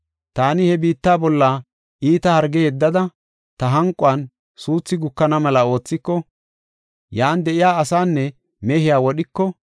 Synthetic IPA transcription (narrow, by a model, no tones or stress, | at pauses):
t̪aːnɪhɛbiːt̪ːaːbɔlːaː | ʔiːt̪ɐhɐɾɡɛhɛd̪ːɐd̪ɐ | t̪ɐɦɐŋkʼʊɐn | suːt͡sːɪɡʊkːɐnɐmɐlɐo̞ːt͡sːɪkːɔ | jaːnd̪ɛʔɪjaːɐsaːnːɛ | mɛhɪjaːwɔɗɪkːɔ